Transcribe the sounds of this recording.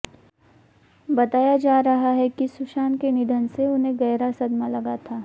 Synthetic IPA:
bɐt̪aːjad͡ʒaːɾɐɦaɦɛkisʊʃaːnkenɪd̪ʱənseʊnɦẽɡɐːɾasɐd̪malɐɡat̪ʰaː

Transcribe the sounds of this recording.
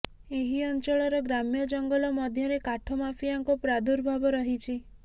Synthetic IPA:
eɦiɔnt͡ʃɔɭɔɾɔɡɾamjɔd͡ʒɔŋɡɔlɔmɔd̪ʱjɔɾekaʈʰɔmafijaŋkupɾad̪uɾbʱabɔɾɔɦit͡ʃʰi

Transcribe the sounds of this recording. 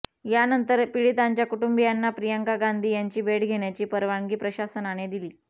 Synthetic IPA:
janənt̪əɾpiɭit̪aɲt͡ɕjakuʈumbijanːapɾijəŋkaɡand̪ʱiːjaɲt͡ɕiːbeɽɡʱeɳjat͡ɕiːpəɾʋaŋɡiːpɾəɕasənaɽ̃ed̪iliː

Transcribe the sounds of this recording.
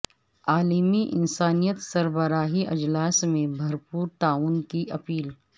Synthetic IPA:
aːlimiʔɪ̰nsaːnijət̪sɐɾbəɾaːɦiʔɐ̰d͡ʒlaːsmẽbʱɐɾpuːɾt̪aːuːnkiʔɐpiːl

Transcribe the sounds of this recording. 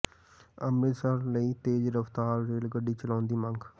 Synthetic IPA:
əmɾɪsəɾləiːt̪eːd͡ʒɾəft̪aːɾːeːlɡəɖːiːt͡ʃəlãːnd̪iːmə̃ŋɡʰ

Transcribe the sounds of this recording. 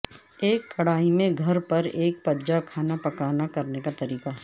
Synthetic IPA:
eːkːɐɽaːimẽɡʱɐɾpɐɾeːk̚pɐd͡ʒakʰaːnapɐkaːnakɐɾnekat̪ɐɾiːqaɦ

